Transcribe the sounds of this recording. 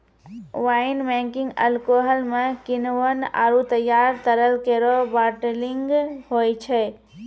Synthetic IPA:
ʋaːɪnbẽŋkɪ̃ŋɡɐ̰lkoːɦəlmẽkɪnʋəna̰ːɾut̪əjːaːɾt̪əɾəlkeɾobaːʈelɪŋɡɦoːit͡ʃʰɛ

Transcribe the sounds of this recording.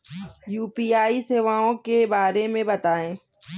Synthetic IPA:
juːpiːaːiseːʋaːõkebaːɾemẽbɐt̪aːẽː

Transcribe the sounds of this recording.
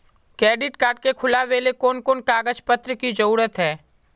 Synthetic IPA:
kɾɛːɖɪʈkaːɾʈ̚kekʰʊlaʋeːlekoːnkoːnkaːɡəd͡ʒpət̪ɾəkid͡ʒɐɾuːɾət̪ɦɛː

